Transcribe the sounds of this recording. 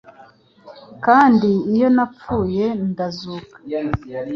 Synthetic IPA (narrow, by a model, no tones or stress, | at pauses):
kaːndiːjo̞nap͡fuːje̞ndazuːkḁ